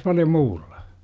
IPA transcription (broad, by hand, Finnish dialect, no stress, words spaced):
pɑljo muːll̥ɑ̥